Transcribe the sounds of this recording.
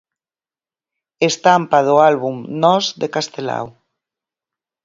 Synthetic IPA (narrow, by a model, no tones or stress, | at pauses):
est̪ampaðoalβumnɔzðekast̪ela̰w